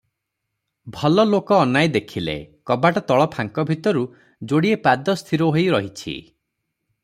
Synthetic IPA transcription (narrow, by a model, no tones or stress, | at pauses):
bʱɔlɔlokɔːnajd̪ekʰilḛkɔbaʈɔt̪ɔɭɔpʰaŋkɔbʱit̪ɔɾu | d͡ʒoɽiepad̪ɔst̪ʰiɾoɦojɾɔɦit͡ʃʰḭ